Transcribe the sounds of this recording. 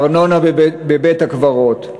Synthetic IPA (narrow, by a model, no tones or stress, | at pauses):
ʁnonabebethakvaʁot̪